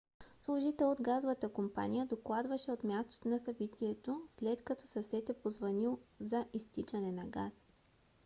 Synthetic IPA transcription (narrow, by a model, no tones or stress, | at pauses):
slˠʊʒit̪ɛlˠod̪ɡazovət̪əkompa̰nʲijəd̪oklˠad̪vɐʃɛot̪mʲjast̪o̥t̪onɐsɐbit̪ʰiɛt̪oslɛt̪kɐt̪ɔsɐsɛt̪ɛpozvɐnilˠzɐʔist̪it͡ʃɐnɛnɐɡas